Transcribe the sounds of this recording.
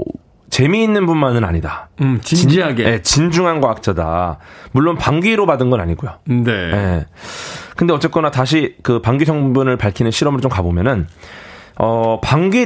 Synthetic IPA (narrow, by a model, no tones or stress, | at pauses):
t͡ɕe̞miːnːɯnbunmanɯna̰ɲidat͡ɕiind͡ʑaɡeje̞t͡ɕind͡ʑuŋɦanɡwaak̚t͡ɕ͈ʰada̰muɭːonpaŋɡiɾobadɯnɡʌna̰ɲiɡojoneje̞ | kɯnde̞ʌt͡ɕ͈ek͈ʌnataɕ̬ʰikɯpaŋɡisʰʌŋbunɯɭpaɭkʰinɯnɕʰiɾʌmɯɾot͡ɕomkabomjʌnɯn | ʌpaŋɡi